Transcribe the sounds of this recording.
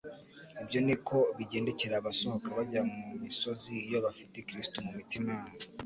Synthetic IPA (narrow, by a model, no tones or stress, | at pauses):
ibjo̞nikʰo̞βiɟe̞ːnde̞ce̞ɾaːβasohkaβaɟamumiso̞zijo̞βafite̞kɾistumumitimaːmvu